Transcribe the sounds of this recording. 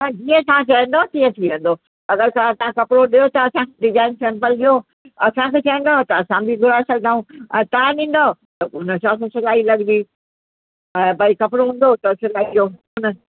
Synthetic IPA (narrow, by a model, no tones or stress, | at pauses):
ãd͡ʑiːə̃t̪aãt͡ɕɐə̃nd̪ot̪iə̃t̪ʰiʋẽn̆d̪o | ɐɡəɾt̪aãt̪ɐãkɐpɪɾoɗijot̪ɐːsãkeɖɪzãːɪnsɛ̃ːmpəlɗioː | ɐsãkʰeːt͡ɕɐə̃n̆d̪aɦt̪ɐɐsãbʱiɡʱʊɾaːsɐɡ̚ʱd̪ãːũɛ̰̃ːt̪ɐãɗĩːn̆d̪at̪ɐʊnə̆sãːssɐlaːilɐɠɪd̪iː | ɛ̃bɐikɐpɪɾoɦũːn̆d̪ot̪ɐsɪlaːid͡ʑoːʊnə